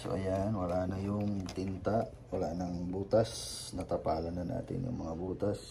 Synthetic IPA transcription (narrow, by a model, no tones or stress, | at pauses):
so̰ʔɐjanwɐlaʔnɐjʊŋt̪ɪnt̪a | wɐlaʔnɐŋbuːt̪asnɐt̪ɐpaːlɐnɐna̰ːt̪ɪ̰njʊ̰ŋmɐŋabuːt̪as